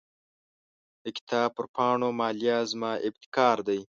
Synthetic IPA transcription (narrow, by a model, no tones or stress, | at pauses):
d̪əkɪ̥t̪ʰɑːb̚pəɾpɑɳomɑːljazmɑʔɪb̚t̪ɪ̥kɑːɾd̪aj